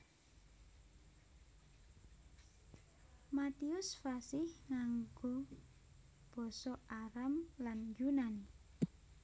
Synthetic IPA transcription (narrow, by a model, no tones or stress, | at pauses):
mat̪iʊsfasɪhŋaŋɡo | b̥ɔ̤sɔaɾamland͡ʒunani